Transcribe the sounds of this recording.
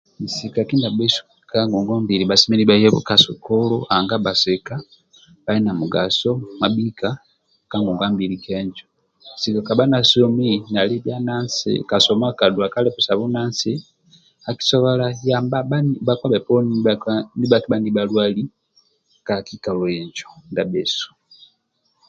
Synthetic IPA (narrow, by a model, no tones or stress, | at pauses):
misikakindabesu̥ | kaŋɡuŋɡombilibasiminibajeβṵkasokoloaŋɡabaseka | bainamuɡasomabika | kaŋɡuŋɡambilikʰeɲd͡ʒo | sikokabanasominalibjanansḭkasɔmakadwakalɛpusaβunansi | aki̥sɔβalajambababakwabɛpɔnnibakibandibalwali | kakikalɔɛɲd͡ʒɔndabɛsu̥